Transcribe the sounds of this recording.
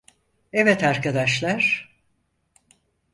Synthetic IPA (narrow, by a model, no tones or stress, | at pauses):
ɛvɛt̪aɾkʰad̪aʃlˠaɾ̥